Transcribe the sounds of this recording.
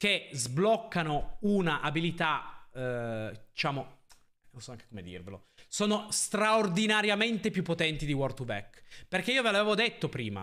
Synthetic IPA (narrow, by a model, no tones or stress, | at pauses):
k̟ezblɔkːanounaʔabilit̪a | d̪̥it͡ʃaːmo | nonsɔaŋke̥komed̪ḭrvelo̰soːnost̪ɾaord̪inaɾjament̪epjupːot̪ɛnt̪id̪iwɔrt̪uvɛ̰kperk̟eiːovelavevod̪et̪ːopɾiːma̰